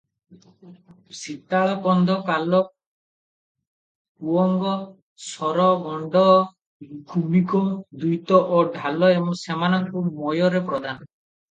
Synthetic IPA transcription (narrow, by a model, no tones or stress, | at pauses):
sit̪ːaɭapɔnd̪ʱɔkalɔ | kuɔŋɡɔ | sɔɾɔɡɔɳɖɔ | kʰubikɔd̪ujt̪ɔʔɔɖʱalɔemɔsemanɔŋkumɔjɔɾepɾɔd̪anɔ